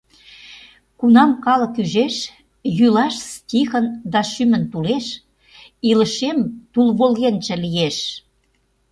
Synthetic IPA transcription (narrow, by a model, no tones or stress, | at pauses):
kunɑmkɑlə̆kyʒeʃ | jylɑʃstʲixə̆nd̪ɑʃymə̆nt̪uleʃ | ilə̆ʃemt̪ulβolɣent͡ʃə̆lijeʃ